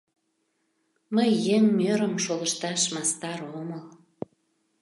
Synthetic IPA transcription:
məjːeŋmøɾəmʃoləʃt̪ɑʃmɑst̪ɑɾoməl

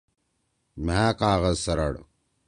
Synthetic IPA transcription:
maːkaːɣɐzsɐɾɐ̰ɽ

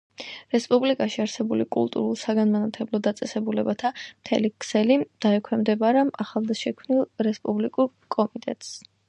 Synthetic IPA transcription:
ɾɛspʼublikʼaʃiaɾsɛbulikʼṵlˠt̪ʼṵɾulˠsaɡanmanat̪ʰɛblˠɔd̪at̪sʼɛsɛbulɛbat̪ʰamt̪ʰɛ̰likʰsɛlid̪̥aɛkʰwɛmd̪ɛbaɾamaχalˠd̪aʃɛkʰmnilˠɾɛspʼublikʼuɾ | kʼɔmit̪ʼɛ̰t̪ʼs

